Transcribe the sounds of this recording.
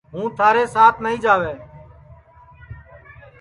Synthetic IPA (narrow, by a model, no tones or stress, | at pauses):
ɦũːt̪ʰaːɾeːsaːt̪ʰnəɦĩːd͡ʒaːʋeː